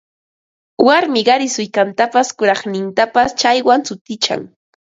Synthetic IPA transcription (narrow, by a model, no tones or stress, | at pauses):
waɾmɪɢɑɾɪsʊjkant̪apaskʊɾɑχnɪnt̪apast͡ʃajwant͡sʊt̪ɪt͡ʃa̰ŋ